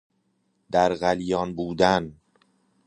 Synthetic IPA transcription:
d̪æɾɣælijɒːnbuːd̪æn

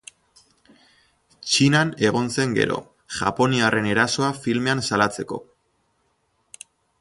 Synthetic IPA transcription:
t͡ʃinane̞ɣo̞nse̞ŋɡe̞̰ɾo̞̰ | ʝa̰po̞niarʔe̞ne̞ɾaso̞afilme̞ansalat͡se̞ko̞

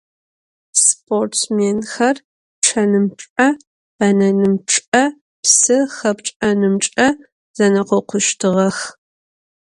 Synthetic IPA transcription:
spʰortmeːnxɐr | ʈ͡ʂʰɐnɨmʈ͡ʂʼɐ | ɐnɐnɨmʈ͡ʂʼɐ | psɨxɐpʈ͡ʂʼɐnɨmʈ͡ʂʼɐ | zɐnɐqɔqʷʊʃtʰɨʁɐx

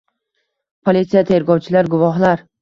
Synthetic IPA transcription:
pʰolʲit̪sijat̪ʰeɾɡɒwt͡ʃʰɪlaɾɡʊvɒɦlaɾ

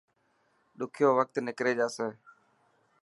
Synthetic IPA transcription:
ɗʊkʰjoːʋək̚t̪nɪkɾeːd͡ʒaːseː

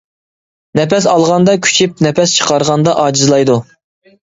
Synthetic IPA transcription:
nɛpɛs̬ɑlˠʁɑnd̪ɑkʲʰy̥t͡ʃʰip̚nɛpɛst͡ʃʰə̥qʰɑɾʁɑnd̪ɑʔɑːd͡ʒizlˠɑjd̪u

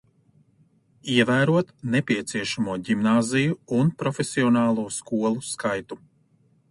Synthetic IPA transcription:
iɛvæːɾuɔt̪nɛpʲiɛt̪siɛʃamuɔɟimnaːzijuːnpɾɔfʲesiɔnaːlˠuːskuɔlˠuskajt̪u

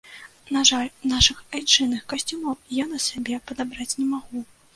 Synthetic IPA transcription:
naʐalʲnaʂɨxajt͡ʂɨnɨxkasʲt͡sʲumɔwjanɐsʲabʲɛpɐd̪abɾat͡sʲnʲɛmaɣu

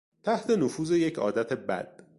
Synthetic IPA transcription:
t̪ʰæht̪ʰe̞nofuːze̞jecʰɒ̰ːd̪æt̪ʰe̞bæ̰d̪̥

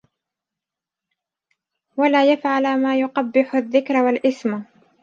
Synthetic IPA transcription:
walaːjafʕalamaːjʊqɑbːɪħʊðːɪkɾwalʔɪsm

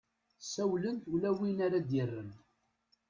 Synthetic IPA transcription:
sæwlənt̪ulæwinaɾad̪ɪrːən

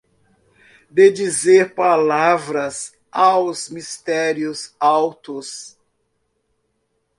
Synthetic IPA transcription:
d̪ed͡ʒizeɾpalavɾɐs | awzmist̪ɛɾiʊzawt̪ʊs

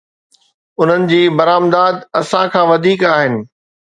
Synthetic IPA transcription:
ʊn̤ənɪ̆d͡ʑiːbɐɾaːmd̪aːd̪ɐsãkʰãːʋɐd̪ʱiːkaːɦɪnɪ̆

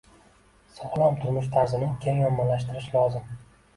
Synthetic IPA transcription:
sɒχlˠamt̪ʰʊɾmʊʃt̪ʰaɾzɪnɪŋkʲʰeŋjɒmːalaʃt̪ɪɾɪʃlˠɒzɪm

